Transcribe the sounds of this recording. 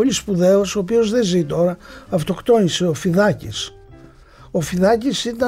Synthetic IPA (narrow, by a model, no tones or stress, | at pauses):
olispuðe̞osooːpio̞zðe̞zit̪o̞ɾɐɐft̪o̞kt̪o̞nise̞o̞fiðɐcis | o̞fiðɐcisit̪ɐ